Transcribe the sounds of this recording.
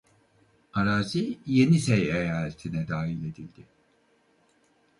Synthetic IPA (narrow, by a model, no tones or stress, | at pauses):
aɾaːzije̞nisejejaːlʲet̪ʰinɛd̪aːɦilʲe̞d̪ilʲd̪ɪ